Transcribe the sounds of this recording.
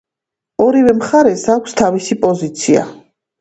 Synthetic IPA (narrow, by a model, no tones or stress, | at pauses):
ɔɾivɛmχaɾɛsakʷʰst̪ʰavisipʼɔzit̪sʰia̰